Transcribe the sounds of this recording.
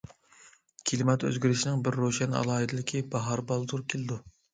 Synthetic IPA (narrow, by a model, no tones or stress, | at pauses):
kʲʰilɪmɛt̪ø̰zɡʲyɾɪʃinɪŋbɪɾːoʃɛnɑ̰lˠɑːɦɨd̪ɪlɪkʲʰibɑɦɑɾbɑlˠd̪uɾkʲʰelɪd̪u